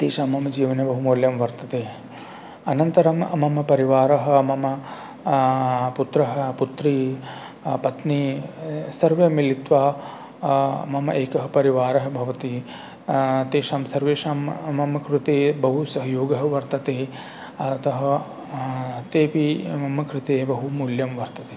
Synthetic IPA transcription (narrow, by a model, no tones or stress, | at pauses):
t̪eːʃaːmɐmɐd͡ʒiːʋɐnebɐɦumoːljɐmʋɐɾt̪ɐt̪eː | ɐnɐnt̪ɐɾɐmɐ̰mɐmpɐɾiʋaːɾɐɦɐ̆mɐmɐ | put̪ɾɐɦɐ̆put̪ɾiː | pɐt̪niːsɐɾʋjɐmilit̪ʋaː | mɐmɐʔeːkɐɦɐpɐɾiʋaːɾɐɦɐ̆bʱɐʋɐt̪i | t̪eːʂaːmsɐɾʋeːʃaːmɐmɐmɐkɾɪt̪eːbɐɦusɐɦɐjoːɡɐɦɐʋɐɾt̪ɐt̪eː | ɐt̪ɐɦɐ | t̪eːpimɐmɐkɾɪt̪eːbɐɦumuːljɐmʋɐɾt̪ɐt̪eː